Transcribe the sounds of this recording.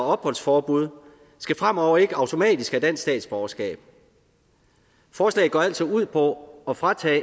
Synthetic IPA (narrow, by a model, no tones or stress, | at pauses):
ɒ̽b̥hɒ̽l̰sfɒːb̥uð̞ˠ | sɡ̥æfʁam̰ɒʊ̰ɐe̝ɡ̥əɑ̈ʊt͡sʰo̝mɛ̰ːd̥isɡ̥æd̥æn̰ssd̥ɛ̰ːd̥sb̥ɒʊɐsɡ̥ɛ̰ːb̥̚ | fɒːslɛ̰ːɪɡ̥ɒːæl̰sɒuð̞̰ˠpʰɒ̽ɒ̽fʁɑ̈t͡sʰɛ̰ː